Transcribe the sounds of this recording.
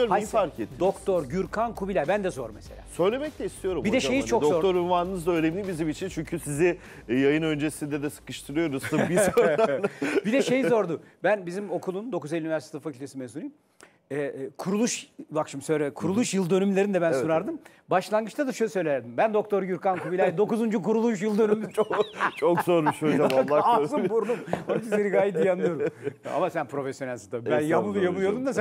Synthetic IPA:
afaɾcet̪ʰːd̪okt̪ʰoɾɟyɾkʰankʰubilʲæɾbænd̪ɛzo̞ɾmese̞lʲa̰ːsø̞jlʲe̞mɛc̚lʲɛist̪ʰijo̞ɾumbid̪ɛʃejizt͡ʃʰo̞k̪zoɾt̪oɾyvaːnɯnɯzd̪aøːnemʲibizimit͡ʃʰint͡ʃʰyɲcʰysizi | jajɯnø̞nd͡ʒesind̪ɛd̪ɛsɯ̥kɯʃt̪ʰɯɾɯjo̞ɾuzt̪ʰɯbioɾabid̪ɛʃe̞jizo̞ɾd̪ubænbizimo̞kʰulˠund̪o̞kuzelʲyinivæɾst̪ʰfakcʰylʲt̪ʰesimezuɾi | ɛkʰuɾulˠuʃbakʃɯmsøɾɛkʰuɾulˠuʃjɯlˠd̪ønymlʲeɾind̪ɛbænsuɾaɾd̪ɯm | baʃlˠanɡɯt͡ʃt̪ʰad̪aʃølʲsø̞jlʲejæɾd̪imbænd̪o̞k̚t̪ʰo̞ɾjyɾkankʰubilʲajd̪o̞kuzund͡ʒukuɾulˠuʃ̬jɯlˠd̪ø̞nym | t͡ʃʰokzoɾmiʃod͡ʒamalːˠaazɯmbuɾd̪umonkizeɾiɡaːjitd̪ijand̪ɯjoɾua̰masænpʰɾo̞fesjo̞nælʲsat̪abænjamɯlˠɯjamɯlˠjod̪umd̪as

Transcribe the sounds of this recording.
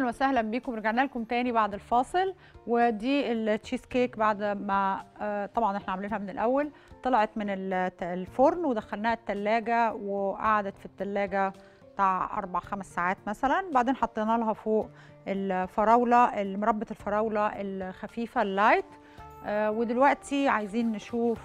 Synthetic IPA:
nwæsæhlæmbiːkomɾeɡaʕnælkomt̪æːnibaʕd̪elfɑːsˤel | wed̪iːelʃiskeːkbaʕd̪mæt̪ˤɑbʕɑnʔeħnæʕamæliːnhæmenelʔæwːæl | t̪ˤɑlɑʕɑt̪menellfoɾnwed̪æxælnæːhæt̪ːælːæːɡæweʔa̰ʕad̪æt̪fit̪ːælːæːɡæ | t̪aʕʔɑ̰ɾˤbaʕxæmesːaːʕaːt̪mæsælænbaʕd̪eːnħɑt̪ˤːenɑːlæɦɑfoːʔ | ʔelfɑɾˤɑːwlɑʔelmoɾˤɑbːɑt̪elfɑɾˤɑːwlɑʔelxæfiːfælːæjt̪ː | wed̪elwæʔt̪iʕajziːnːʃuːf

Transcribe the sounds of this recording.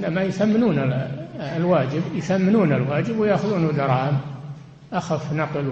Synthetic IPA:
namajʊθamːɪnuːn | lwaːd͡ʒɪbjθamːɪnuːnalwaːd͡ʒɪbwɪjaːxʊðuːnud̪ɑɾˤɑːʔɪm | ʔaxafnɑql

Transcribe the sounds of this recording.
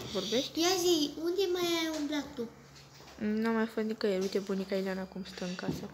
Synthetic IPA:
voɾbeʃt̪ʲjazijund̪ʲemajajumblat̪u | namːajfot̪nikəjeɾujt̪ebunikailanakumst̪əɨŋkasə

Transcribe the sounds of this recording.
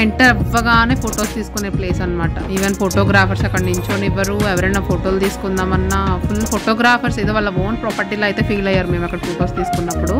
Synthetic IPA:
eɳʈɐɾɛʋːɐɡaːneːpʰoːʈoːst̪iːsu̥kune̞ːple̞ːsɐnːɐmaːʈɐ̰iʋenpʰoʈoːɡɾaːpʰɐɾsɐkːɐɳiɲt͡ʃoːniʋɐɾuɛʋɐɾɐnaːpʰoʈoːlt̪iːsu̥kund̪aːmɐnːɐpʰulpʰoʈoːɡɾaːpʰɐɾsid̪oːʋɐlːɐʋoːnpɾɔːpɐɾʈiːloːɐjt̪eːpʰiːlɐjːaːɾume̞ːmɐkːɐɽɐpʰoʈoːst̪iːsu̥kunːɐpːuɽu

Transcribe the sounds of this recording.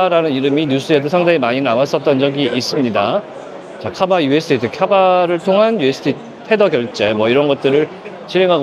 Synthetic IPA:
ɾanɯniɾɯmiɲus͈ʰɯe̞dosʰaŋdaŋimaɲinnawas͈ʌt̚t͈ʌnd͡ʑʌɡiʔis͈ɯmɲida | t͡ɕakʰabajuesʰɯ̥tʰitʰekʰjabaɾɯɭtʰoŋɦanjue̞sʰɯ̥tʰi | tʰe̞dʌɡjʌɭt͡ɕ͈e̞mwʌiɾʌnɡʌt̚t͈ɯɾɯɭ | t͡ɕʰiɾɦe̞ŋɦaɡ

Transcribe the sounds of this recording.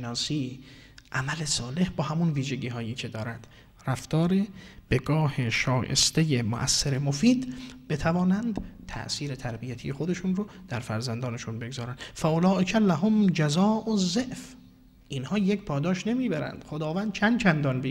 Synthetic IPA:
nɒːsiː | ʔæmæle̞sɒːle̞hbɒːhæmunviːʒeɟiːɦɒːjiːcʰe̞d̪ɒːɾænd̪̥ | ræft̪ɒːɾeb̥e̞ɡɒːhe̞ʃɒːjḛst̪e̞jemo̰ʔæ̰sːeɾemo̞fiːd̪b̥e̞t̪ʰævɒːnænd̪̥t̪ʰæ̰ʔsiːɾe̞t̪ʰæɾbijæt̪ʰije̞xod̪e̞ʃunrod̪̥æɾfæɾzænd̪ɒːneʃunbe̞ɡzɒːɾænd̪̥fæʔolɒːʔekʰælæɦomd͡ʒæzɒːʔozːeʔf | ʔinhɒːjecpʰɒːd̪ɒːʃne̞miːbæɾæ̰nd̪̥xo̞d̪ɒːvænd̪̥̚t͡ʃʰænd̪̚t͡ʃʰænd̪ɒnbi

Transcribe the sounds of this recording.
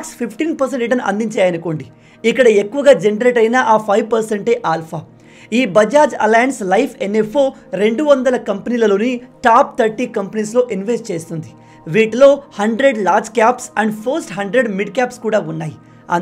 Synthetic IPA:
kspʰipʰʈiːnpɐɾs̬eɳʈiʈ̬ɐnʔɐ̰nd̪iɲt͡ʃaːjɐnɐko̞ːɳɖi | ikːɐɽɐekːuʋɐɡaːd͡ʒenɐɾeːʈɐjnaʔaːpʰɐjʋpɐɾseɳʈe̞ːʔaːlpʰaː | iːbɐd͡ʒaːd͡ʒɐ̰laːjɐnslɐjpʰenefo̞ː | ɾe̞ɳɖuʋɐnd̪ɐlɐkɐmpɐniːlɐloːniʈaːp̚t̪ʰɐɾʈiːkɐmpɐniːslo̞ːʔinʋesʈt͡ʃe̞ːst̪und̪i | ʋiːʈlo̞ːhɐɳɖɾe̞ɖlaːɾd͡ʒkaːpsɐɳɖpʰɐɾsʈɦɐɳɖɾeɖmiɖkaːpskuːɽaːunːaːji | ɐ̰

